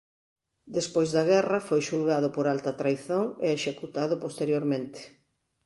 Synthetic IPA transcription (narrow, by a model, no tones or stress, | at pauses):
d̪espojzðɐɣɛrɐfojʃulɣaðʊpoɾalt̪ɐt̪ɾajθoŋeeʃekut̪aðʊpost̪eɾjoɾmẽnt̪e̥